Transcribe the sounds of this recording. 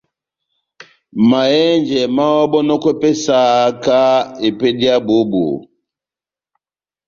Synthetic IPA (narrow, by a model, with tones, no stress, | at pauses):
ma˨jɛ˦nd͡ʒɛ˨ma˦wɔ˦bɔ˦nɔ˦kwɛ˦pɛ˦sa˦˨˦ka˦e˨pɛ˦di˦a˦bo˦bo̰˨